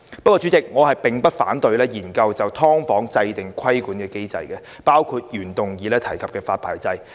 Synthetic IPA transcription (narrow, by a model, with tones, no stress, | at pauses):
pɐ˥kɔː˧t͡ʃy˨˥t͡sɪ˨k̚ŋɔː˨˧hɐ˨jpɪ˨˩ŋpɐ˥t̚fa̰ː˨˥nt̪ɵ˧ɥlɛː˥jiː˨˩nkɐ˧wt͡sɐ˨wt̪ʰɔː˥ŋfɔː˨˥ŋt͡sɐ˧jt̪ɪ˨˩ŋkʰɐ˥jkuː˨˥nkɛː˧ke˥jt͡sɐ̰˧jkɛ˧ | paː˥wkʰuː˧t̚jyː˨˩nt̪ʊ˨˩ŋjiː˨˧lɛː˥t̪ʰɐ˨˩jkʰɐ˨p̚kɛː˧fa̰ː˧t̚pʰa̰ː˨˩jt͡sɐ˧j